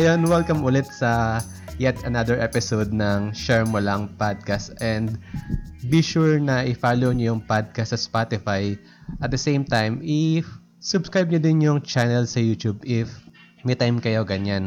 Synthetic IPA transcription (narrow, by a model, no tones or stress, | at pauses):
ʔɐjonwɛlkɐmʔʊlɛt̪̚sɐ | jɛt̪ɐnad̪ɛɹʔɛpɪsod̪̚nɐŋʃɛɹmʊlɐŋpad̪̚kast̪ʔɛ̃nd̪ | biʃuɹnɐʔɪfaːlowɲojʊŋpad̪̚kɐst̪ːsɐspat̪ɪfaj | ʔɐt̪̚d̪ɐsẽjmt̪ajmɪ | sʊbskɹajb̚ɲod̪ɪnjʊŋt͡ʃanɛlsɐjuːt̪jubɪf | mɛjt̪ajmkɐjo̞ɡɐɲan